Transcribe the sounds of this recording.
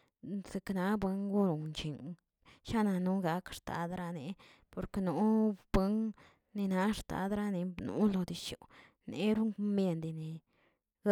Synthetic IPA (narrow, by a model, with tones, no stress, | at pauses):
se˧kna˨˦bwe˦ŋɡu˦ɾo˨nt͡ʃi˨ŋ | ʃa˦na˧nu˦ɡa˧˦kʂt̪a̰˨d̪ɾa˧ne˨ | po˨ɾknu˨˦b̥we˧˦ŋ | ne˧na˧˦ʂt̪a̰˨˦d̪ɾa˦˧ne˧nṵ˨˦lo˧d̪i˨ʃo̰˨ | ne˨˦ɾu˦ŋ˧me˧nd̪i˧ne˨˦